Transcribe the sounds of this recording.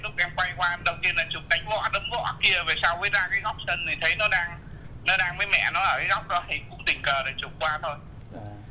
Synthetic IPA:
lʊ˦˥k͡p̚ʔɛ˧mkwa˧jkwaː˧mɗə˨˩wt̪i˧ənlaː˨˩t͡ɕʊ˨˩k͡p̚na˨˩jŋ̟vɔ̰˧˥ɗə˨˦mɣɔ̰˧˥ki˧ə˨˩ve˨˩saː˧wvəː˨˦jzaː˧kaː˨˦ɣa˦˥wk͡p̚sə˧˩nt̪ʰi˨˩t̪ʰə˨˦jnɔ˨˦ɗaː˧ŋ | nɔ˨˦ɗaː˧ŋvəː˨˦jmɛ̰˧˨nɔ˨˦ʔəː˧˩kaː˨˦ɣa˦˥wk͡p̚ɗɔ˨˦hi˨˩kʊ̰˧˥ŋ͡mɗï˨˩ŋ̟kəː˨˩ɗe˨˩t͡ɕʊ˨˩k͡p̚kwaː˧t̪ʰo˧j

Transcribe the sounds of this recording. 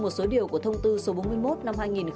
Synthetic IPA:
mo˨˩t̚so˨˦ɗi˨˩əwku˧˩ət̪ʰə˧wŋ͡mt̪ɨ˧so˨˦ɓo˨˦nmɨ˧əjmo˦˥t̚na˧mhaː˧jŋi˨˩n

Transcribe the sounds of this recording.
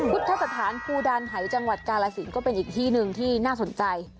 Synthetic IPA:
u˦˥t̪ʰːa˦˥sa˧t̪ʰaː˩˦npʰuː˧daː˧nɦa˩˦jt͡ɕa˧ŋwa˨˩t̪̚kaː˧laː˧si˩˦nkɔː˥˩pe˧nʔiː˨˩k̚t̪ʰiː˥˩nɯ˨˧ŋt̪ʰiː˥˩naː˥˩so˨˩˦nt͡ɕa˧j

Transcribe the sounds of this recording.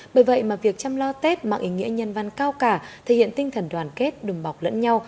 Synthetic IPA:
ɓəː˧˩jvə̰˧˨jmaː˨˩vi˨˩ək̚t͡ɕa˧mlɔ˧t̪e˦˥t̚ma̰ː˨˩ʔi˨˦ŋḭ˧˥əɲə˨˧˩nva˨˧˩nkaː˧wkaː˧˩t̪ʰe˨˧˩hḭ˧˨ənt̪i˧ŋ̟t̪ʰə˨˩nɗwaː˨˩nke˦˥t̚ɗɨ˨˩ŋɓa˨˩wk͡p̚lə̰˧˥nɲa˧w

